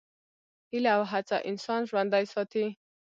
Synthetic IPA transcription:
ileawɦat͡sa̰ʔinsɔnʒwand̪ajsɔt̪ʰi

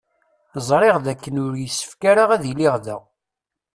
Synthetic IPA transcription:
zˤɾˤeʁðækːənʊɾjəsːə̥fkaɾaʁæðiliʁðə̰

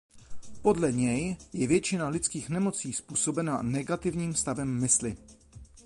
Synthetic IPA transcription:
po̞dlɛɲɛjjɛvjɛt͡ʃɪnalɪt͡skiːxnɛmo̞t͡siːspuːso̞bɛnanɛɡat̪ɪvɲiːmst̪avɛmːɪslɪ

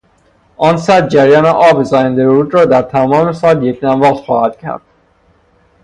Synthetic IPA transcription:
ʔɒːnsæd̪̚d͡ʒæɾjɒːneʔɒːbezɒːjænd̪eɾɾuːd̪ɾɒːd̪æɾt̪ʰæmɒːmesɒːljekʰnæmvɒːqt̪xɒːhæd̪̥cʰæ̰ɾd̪̥

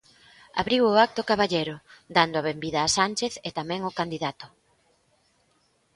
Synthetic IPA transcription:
a̰βɾiwʊak̚t̪okaβaʎejɾʊd̪and̪ʊaβembiðaːsanʲt͡ʃeθet̪amɛ̃ŋʊkand̪iðat̪ʊ̥

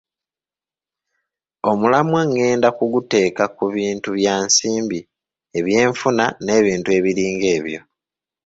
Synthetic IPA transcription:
o̞mulamwaŋːe̞ːndakuɡute̞ːkakuβiːntuβjaːnsiːmbi | e̞βje̞ːɱfunane̞ːβiːntue̞βiɾiːŋɡe̞ːβjo̞

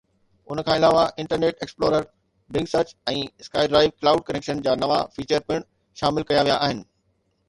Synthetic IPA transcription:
ʊnəkʰãːɪlaːʋaʔɪ̃ɳʈəɾneːʈeksploːɾəɾ | bɪ̃ŋɡsəɾt͡ɕɛ̃ːɪskaːɪɖɾaːɪʋklaːʊɖ̚kɐneːkʃənd͡ʑaːnɐʋa̰fiːt͡ɕəɾpɪɽ̃ | ʃaːmɪlkɐjaʋijaʔaːɦɪnɪ̆

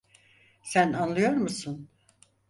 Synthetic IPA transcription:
sænanlˠɯjo̞ɾmusun

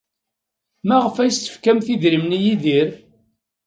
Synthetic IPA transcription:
mæʁəfæjst̪ə̥fkæmθiðɾimnijiðiɾ

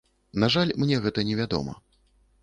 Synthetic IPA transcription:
naʐalʲmnʲɛɣɛt̪ɐnʲɛvʲad̪ɔ̰mɐ̰

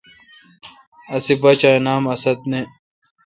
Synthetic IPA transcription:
ɐsibɐt͡ɕajnaːmɐsɐd̪̚ne

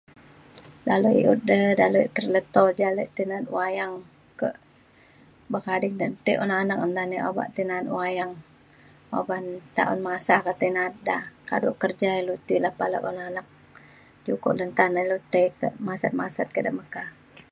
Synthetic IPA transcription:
daluḭʔut̪̚dədaluʔkərlət̪ɔd͡ʒaləʔt̪inat̪̚wajaŋ | kəʔ | bəkadɪŋdənt̪əʔɔnanak̚ɔnt̪aniʔoba̰ʔt̪inat̪wajaŋ | obant̪a̰ʔʊnmasakət̪inat̪̚daka̰duʔkərd͡ʒailut̪ilahpalə̰ʔɔnanak̚ | d͡ʒukɔ̰ʔlənt̪anəlut̪əjkə̰ʔmasat̪̚masat̪̚kədəʔməka

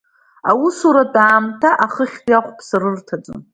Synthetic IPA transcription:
awʊsuɾadaːmtʰaʔaχəχʲdjaχʷʼpʰsɨrɨrtʰad͡zʼɨ̰n

